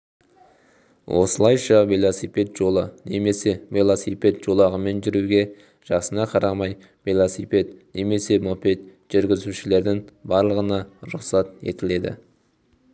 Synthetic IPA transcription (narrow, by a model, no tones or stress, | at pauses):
wʔo̞̰səlˠɑjʃɑvelˠosipe̞t̪ʒ̥o̞lˠəne̞me̞se̞velˠosipe̞t̪ʒo̞lˠɑʁəme̞nʒʏɾuɡʲe̞ | ʒ̥ɑqsənɑqʰɑɾɑmɑj | velˠosipe̞t̪ne̞me̞se̞mope̞t̪ | ʒ̥ʏɾɡʲɪzuʃɪle̞ɾd̪ɪŋbɑɾlˠəʁənɑɾʊqsɑt̪e̞̰t̪ɪle̞d̪ɪ̰